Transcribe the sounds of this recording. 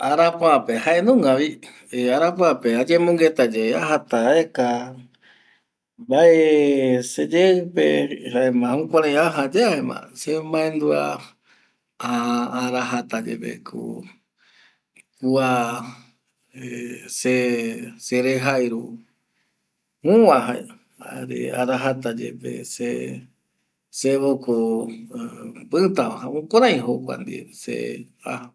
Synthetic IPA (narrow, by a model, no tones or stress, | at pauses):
aɾapoapehaenũŋɡaβi | eaɾapoapead͡ʒemõŋɡet̪ad͡ʒeeaɦat̪aeka | baʔesed͡ʒeɨpḛhaemãhũkʷãɾãĩaɦad͡ʒeaemã̰semãend̪ua̰ | aaːɾaɦat̪ad͡ʒḛβḛkʰṵ | kua | eseseɾeɦajɾu | ũwãɦae | aɾḛaɾaɦat̪ad͡ʒḛpḛse | seβoko | pɨt̪aahaũkʷãɾãĩɦokʷa̰nd̪ḭsḛ | a̰a